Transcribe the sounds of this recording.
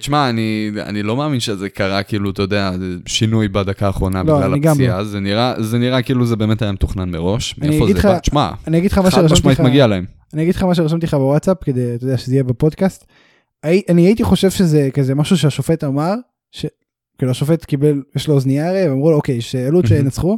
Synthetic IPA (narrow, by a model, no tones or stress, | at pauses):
ʃmaːnia̰nilo̞meaːminʃezekaʁakiiːlut̪ajodeaeʃinujbad̪akaːχʁo̞namloalniɡamiazeniʁazeniʁakiiluzebe̞ːmet̪hajamet̪uχnanmeʁo̞ʃaniɡid̪χat͡ʃma̰aniaɡid̥χamaʃeʁaʃamiimaɡialaem | anijaɡid̥̪χamaʃ̬eʁaʃamt̪iχabewatsapke̞d̪ejat̪ojd̪eaʃezeijebepo̞d̪kast̪ | aiʔaniajit̪iχo̞ʃe̞v̥ʃezekazemaʃuʃ̬eaʃofe̞t̪amaʁ | ʃe | kiːluaʃofe̞t̪kibeljeʃloozniaʁeveamʁulookejʃealut̪veenat͡sχu